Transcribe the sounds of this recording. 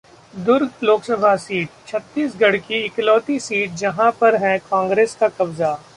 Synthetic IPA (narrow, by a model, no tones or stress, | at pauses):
d̪ʊɾɡloːksɐbʱasiːʈ̚t͡ʃʰɐt̪ːiːsɡɐɽkiɪklɔːt̪isiːʈ̚d͡ʒɐɦãpɐɾɦɛ̃kãːŋɡɾeːskakɐbza